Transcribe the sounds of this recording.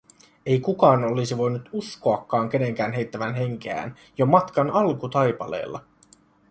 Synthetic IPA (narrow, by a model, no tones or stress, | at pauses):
e̞jkukɑːno̞lisiʋo̞jnut̪usko̞ɑkːɑːŋk̟e̞ne̞ŋk̟æːnɦe̞jt̪ːæʋænɦe̞ŋk̟eæ̰ːn | jomɑt̪kɑnɑlkut̪ɑjpɑ̰le̞̰ːlːɑ̰